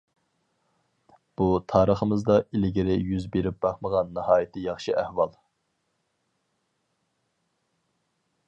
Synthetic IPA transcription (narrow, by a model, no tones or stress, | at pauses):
b̥ut̪ʰɑːɾəχəmɨzd̪ɑilɪɡʲiɾɪjyzbeɾɪp̚b̥ɑχməʁɑnːɨhɑːjit̪ʰɪjɑχʃɨʔæhwɑlˠ